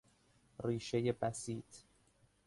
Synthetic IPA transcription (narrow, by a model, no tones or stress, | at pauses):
riːʃe̞je̞bæsiːt̪ʰ